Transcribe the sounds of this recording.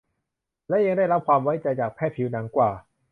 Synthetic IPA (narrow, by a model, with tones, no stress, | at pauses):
lɛ˦˥ʔja˧ŋda˥˩jɾa˦˥p̚kʰwaː˧mwa˦˥jt͡ɕa˧jt͡ɕaː˨˩k̚pʰɛː˥˩pʰi˨˦˥wna˩˦˥ŋkwaː˨˩